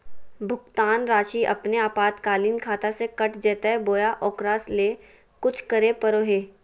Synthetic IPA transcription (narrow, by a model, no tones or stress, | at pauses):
bʱʊkt̪aːnɾaːʃiʔɐ̰pneaːpaːt̪kaːliːnkʰaːt̪asekɐʈd͡ʒɛːt̪eboːjaʔɔːkɾaːsleː | kʊt͡ʃʰkɐɾepəɾoːɦeː